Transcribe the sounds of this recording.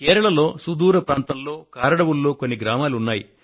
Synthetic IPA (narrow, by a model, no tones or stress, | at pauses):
kɛːɾɐɭɐlo̞ːsud̪uːɾɐpɾaːnt̪ɐmlo̞ːkaːɾɐɽɐwulːo̞ːkonːiɡɾaːmaːlunːaːji